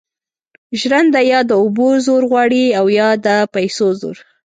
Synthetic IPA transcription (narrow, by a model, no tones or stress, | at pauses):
ʒɾand̪ajɑd̪əʊbozoɾɣwɑɽiawjɑd̪əpajsozo̰ɾ